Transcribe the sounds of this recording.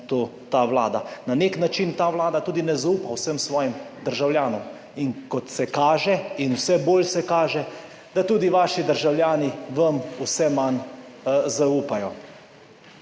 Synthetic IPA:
t̪oː | t̪aːʋla̰ːd̪ananeknat͡ʃint̪aːwlaːd̪at̪uːd̪inɛzauːpawsəmsʋɔːjimd̪əɾʒawljaːnɔm | iŋkɔt̪sɛkaːʒɛinwsɛboːlsɛkaːʒɛ | d̪̥at̪uːd̪iʋaːʃid̪əɾʒawljaːniʋɐmusɛman | zauːpajɔ

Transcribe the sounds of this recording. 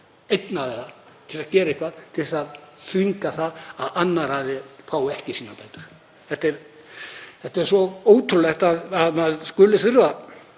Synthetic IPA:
ejt̪naðɛɾa | t̪ʰɪlsaðcɛːɾɪehkvaðt̪ʰɪlsaðsviŋkaθaðaðanːaɾhaðɪfʰaːwɛhcɪsiːnapaːjt̪ʏɾ̥ | θɛht̪ːɛɾ | θɛht̪ːɛɾ̥svɔoːwt̪ʰʏlɛht̪aðaðmaðskʏlːɪθʏɾva

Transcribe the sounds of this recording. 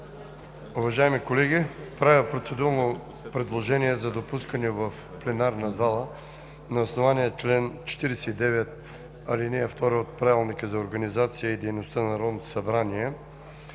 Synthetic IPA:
uvɐʒaimikolɛɡ̟ipɾavipɾot̪sɛd̪uɾno | pɾɛd̪lˠoʒɛniɛzɐd̪opuskənɛvɐf | plɛnaɾnɐzalˠə | nɐosnovaniət͡ʃlɛnt͡ʃɛ̥t̪iɾɛsɛid̪ɛvɛt̪̚ | ɐlinɛːft̪ɔɾɛot̪̚pɾavilˠnikəzɐoɾɡɐnizat̪sijəid̪ɛjnost̪ənɐnɾɔd̪not̪o̥sɐbɾaniɛ

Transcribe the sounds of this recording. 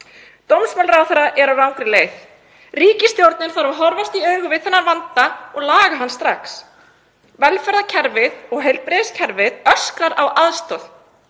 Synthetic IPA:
t̪owmsmœlrawθɛɾaʔɛɾawrawŋkɾɪleːjθ | riːcɪst̪jowɾt̪nɪnθaɾvaɦɔɾvast̪iœɥɣʏvɪðθɛnːaɾvant̪aɔɣlaːɣaɦanːst̪ɾaks | vɛlfɛɾðacʰɛɾvɪðɔɣɦejlpɾɪɪscʰɛɾvɪðœskɾaɾawʔaðst̪œð

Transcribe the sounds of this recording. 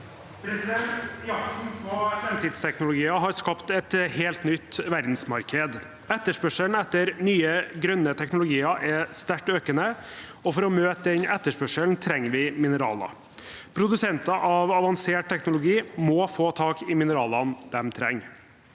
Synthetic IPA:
fɾɛmt̪iːd̪st̪ʰɛknʊlʊɡiːɑɦɑɾskɑpt̪ɛt̪heːlt̪nʏt̪ːʋæɾd̪n̩smɑɾkʰəd̪ | ɛt̪ːəʂpœʂəln̩ɛt̪ːəɾnyːəɡɾœnːət̪ʰɛknʊlʊɡiːɑʔɛst̪æʈøːkənəɔfɔɾɔmøːt̪əd̪ɛnʔɛt̪ːəʂpœʂəlnt̪ʰɾɛŋːʋɪmɪnəɾɑ̰ːlɑ̰ | pʰɾʊd̪ʉsɛnt̪ɑʔɑʋɑʋɑnseːʈ̚t̪ʰɛknʊlʊɡiːmɔfoːt̪ʰɑːkɪmɪnəɾɑːlɑnd̪̥ɛmt̪ʰɾɛŋː

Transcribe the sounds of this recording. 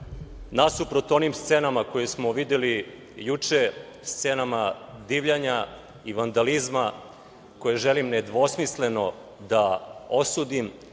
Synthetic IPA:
nasupɾot̪o̞nimst̪senamako̞jesmo̞ʋid̪jeli | jut͡ʂe | st̪senamad̪iʋʎaɲa | iʋand̪alizma | ko̞jeʒelimned̪ʋo̞smisle̞no̞ | d̪ao̞suːd̪im

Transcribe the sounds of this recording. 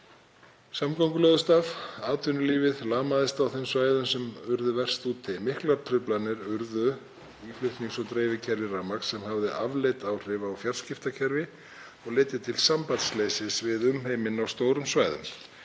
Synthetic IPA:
samkawŋkʏlœðʏst̪afaːt̪ʰʏnʏliːvɪðlaːmaðɪst̪awθejmsvaːjðʏmsɛmʏɾðʏvɛr̥st̪uːt̪ʰːɪmɪhklaɾ̥t̪ʰɾʏplanɪɾʏɾðʏ | iflʏht̪niŋsɔt̪ɾeːjvɪcʰɛɾvɪraːmaksːɛmhavðɪʔavlejt̪aːwr̥ɪvaːwfjaɾ̥scɪft̪acʰɛɾvɪ | ɔɣlejt̪ɪt̪ʰɪlsampant̪sleːjsɪsvɪðʏmɦeːjmɪnawst̪oːwɾʏmsvaːjðʏ̰m

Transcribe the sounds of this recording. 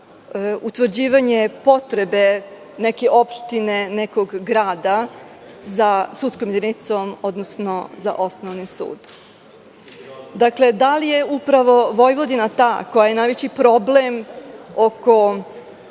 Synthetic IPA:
ut̪ʋr̩d͡ʑiːʋaɲe̞po̞t̪ɾe̞be̞ | neke̞ʔo̞pʃt̪ine̞neko̞ɡːɾaːd̪a | zasut̪skomjed̪init̪somo̞d̪nosnoza̰ʔo̞snoʋnisṵːd̪ | d̪akle̞d̪alije̞upɾaʋo̞ʋo̞jʋod̪inat̪ako̞jaje̞najʋet͡ɕipɾo̞blemoko̞

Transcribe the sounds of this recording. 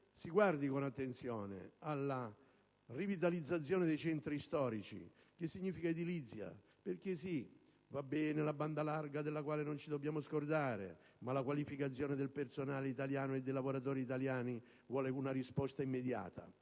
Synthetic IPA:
siɡward̪ikonat̪ːent̪sjɔːnḛalːa | rivit̪̬alid̪zːat̪s̬ːjɔːnɪd̪ejt͡ʃɛnt̪ɾist̪ɔːɾit͡ʃḭ | k̟ɪsːiɲːiːfikaid̪ilit̪sːja̰ | perk̟ɪsi | vabːɛːnɪlaband̪alarɡad̪elːakwaːlenont͡ʃid̪obːjaːmʊskord̪aːɾɪ̰ | malakwalifikat̪s̬ːjɔːnɪd̪elpersonaːleit̪aljaːnoed̪ːejlavoɾat̪̬ɔːɾiːt̪̬aljaːni | vwɔːlɪunarispɔst̪aimːed̪ja̰ːt̪ʰa̰

